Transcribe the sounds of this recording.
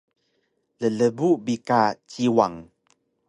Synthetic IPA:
lələbubikat͡ʃiwaŋ

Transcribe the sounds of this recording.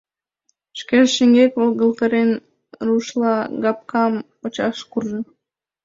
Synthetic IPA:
ʃkʲelʲʃiŋɡekvolˠɡə̆lˠqɤɾen | ɾuʃlˠɑɡɑp̚kɑm | ot͡ɕɑʃkurʒɤ̆

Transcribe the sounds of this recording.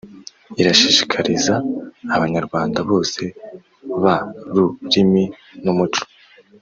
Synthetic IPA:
iɾaʃiʃi̥kʰaɾizaːβaɲaɾɡwaːndaβo̞ːse̞ | βaɾuɾimi | numut͡ʃu̥

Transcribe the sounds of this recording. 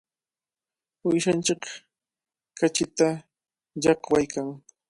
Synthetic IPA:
ʊjʃant͡ʃɪk | kat͡ʃɪt̪a | jɑqwajkʰaŋ

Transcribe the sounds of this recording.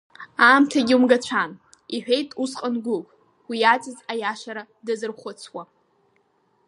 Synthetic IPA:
amtʰaɡʲiumɡat͡ɕʷʰan | iħᶣejtʼusqʼanɡʷʊpʼ | wiat͡sʼɪzajaʃaɾa | dazɨrχʷʊt͡sʰwa

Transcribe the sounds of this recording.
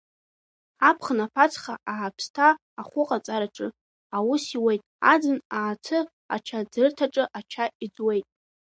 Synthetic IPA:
apʰχnapʰat͡sʰχaaːpʰstʰaː | χʷʊqʼat͡sʼaɾaʈ͡ʂʼɨ | awʊsiwejtʼa̰d͡zɨnaːtʰɨ | a̰t͡ʃʰad͡zɨrtʰaʈ͡ʂʼɨʔat͡ʃʰaid͡zwe̞jtʼ

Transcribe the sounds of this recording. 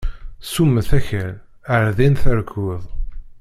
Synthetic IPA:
sumːəθæçəɾ | əɾðinθəɾkəðˤ

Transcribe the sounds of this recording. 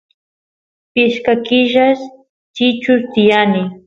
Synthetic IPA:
pɪʃkakɪʒaʃ | t͡ʃɪt͡ʃʊst̪ɪjanɪ

